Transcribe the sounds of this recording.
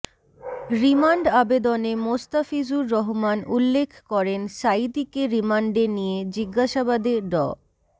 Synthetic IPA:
ɾimaɳɖabed̪onemost̪afid͡ʑuɾːɔɦomanulːekʰkɔɾenʃajd̪ikeɾimaɳɖenijed͡ʑiɡːaʃabad̪eɖɔ̰

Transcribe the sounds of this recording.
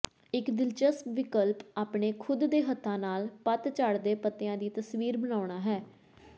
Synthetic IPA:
ɪkd̪ɪlt͡ʃəspʋɪkəlpaːpɳeːkʰʊd̪ːeːɦət̪ʰːãːnaːlpət̪t͡ʃaɽd̪eːpət̪ːɪjãːd̪iːt̪əsʋiːɾbənaːʊɳ̃aːɦɛː

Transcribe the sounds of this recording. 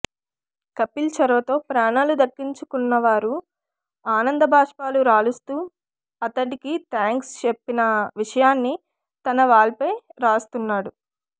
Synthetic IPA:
kɐpːilt͡ʃɐɾɐʋɐt̪o̞ːpɾaːɳaːlud̪ɐkːiɲt͡ʃukunːɐʋaːɾu | aːnɐnd̪ɐbʱaːʂpaːluɾaːɭust̪uː | ɐt̪ɐʈikit̪ʰaːŋkst͡ʃepːinɐʋiʂɐjaːnːi | t̪ɐnɐʋaːɭɐpɐjɾaːst̪unːaːɽu

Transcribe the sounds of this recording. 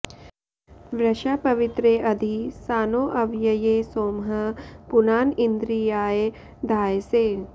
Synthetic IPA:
ʋɾɐʃaːpɐʋɪt̪ɾeːʔɐd̪ʱisaːnoːʔɐʋjɐjeːsoːmɦɐpunaːnind̪ɾijaːje | d̪ʱaːjseː

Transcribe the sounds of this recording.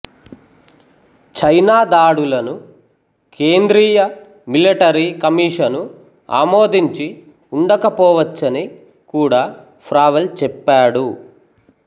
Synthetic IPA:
t͡ʃɐjnaːd̪aːɽulɐnu | kʰeːnd̪ɾiːjɐ | miliʈɐɾikɐmiːʂɐnu | a̰ːmoːd̪iɲt͡ʃi | uɳɖɐkɐpɔːʋɐt͡ʃːɐni | kuːɽaː | pʰɾaːʋɐlt͡ʃɛpːaːɽu

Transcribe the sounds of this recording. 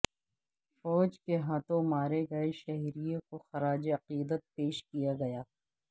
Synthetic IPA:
fɔːd͡ʒkeɦaːt̪õmaːɾeɡɐeʃɐɦiɾijõkoxɐɾaːd͡ʒeɐqiːd̪ət̪̚peːʃkijaɡɐjaː

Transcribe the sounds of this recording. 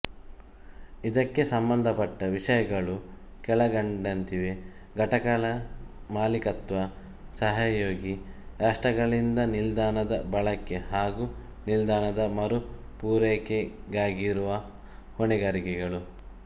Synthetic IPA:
id̪ɐkːe̞sɐmbɐnd̪ʱɐpɐʈːɐʋiʂɐjɐɡɐɭu | kɛɭɐɡɐɳɖɐnt̪iʋe̞ | ɡɐʈɐkɐɭɐmaːlikɐt̪ʋɐ | sɐɦɐjoːɡiɾaːʂʈɐɡɐɭind̪ɐnild̪aːnɐd̪ɐbɐɭɐkːe̞ɦaːɡu | nild̪aːnɐd̪ɐmɐɾu | puːɾeːkeɡaːɡiɾuʋɐ | hoɳiɡaːɾikɛɡɐɭu

